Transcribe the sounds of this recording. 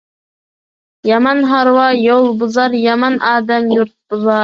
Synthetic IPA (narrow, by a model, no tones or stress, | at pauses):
jɑmɑnɦɑɾwɑjolˠbʊzɑɾjɑmɑnʔɑːd̪æmjuɾt̪̚bʊzɑ